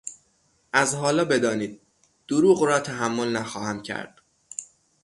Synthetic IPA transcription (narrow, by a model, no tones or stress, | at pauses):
ʔæzɦɒːlɒːbe̞d̪ɒːniːd̪̚ | d̪̥oɾuːɣɾɒːt̪ʰæɦæmːo̞lnæxɒːhæmcʰæ̰ɾd̪̥